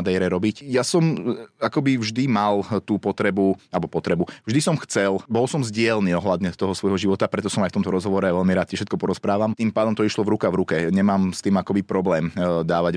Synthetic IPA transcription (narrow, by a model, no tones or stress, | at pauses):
d̪ɛjɾɛɾɔbicjasɔmakɔbivʒd̪imalt̪uːpɔt̪ɾɛbualɛbɔpɔt̪ɾɛbuvʒd̪isɔmxt͡sɛlbɔlsɔmzɟɪɛlniːɔɦlad̪ɲɛt̪ɔɦɔsʋɔjɦɔʒiʋɔt̪apɾɛt̪ɔsɔmajft̪ɔmt̪ɔɾɔzɦɔʋɔɾɛaʋɛʎmiɾaːt̪cɛfʃɛt̪kɔpɔɾɔspɾaːʋamt̪iːmpaːd̪ɔmt̪ɔiʃlɔvɾukavɾukɛɲɛmaːmst̪iːmakɔbipɾɔblɛːmd̪aːʋaɟ